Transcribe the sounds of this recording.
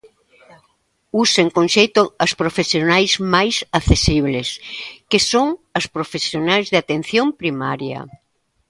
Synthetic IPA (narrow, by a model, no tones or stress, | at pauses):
useŋkõnʃejt̪oɐspɾofesjonajzmajsaθesiβ̞leskesoŋɐspɾofesjonajzðeat̪ẽn̟θjõmpɾimaɾjɐ̰